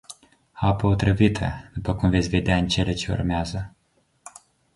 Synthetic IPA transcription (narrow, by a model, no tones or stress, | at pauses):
apəot̪ɾəvit̪ʰə̰d̪upəkumvesʲve̞d̪eaɨnt͡ʃe̞let͡ʃeṵrmeazə